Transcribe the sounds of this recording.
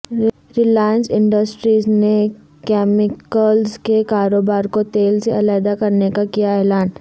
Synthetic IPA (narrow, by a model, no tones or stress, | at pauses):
ɾɪlaːjənsɪ̃ɳɖəsʈɾiːzne | kɛːmɪkəlzkekaːɾoːbaːɾkot̪eːlseɐlaːjd̪akɐɾnekakijaɛːlaːn